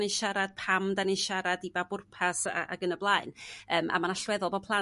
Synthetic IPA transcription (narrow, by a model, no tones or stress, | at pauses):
neʃaɾad̥̚pʰamdanejʃaɾadibabʊrpʰasa̰ʔa̰ɡənəblˠaːɨnəːmʔa̰manaɬwɛðɔlˠbɔpʰlˠa